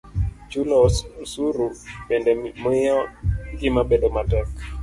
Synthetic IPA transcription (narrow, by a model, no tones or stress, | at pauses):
t͡ʃulɔssuɾubɛndɛmɪɔɡɪmabedomatɛk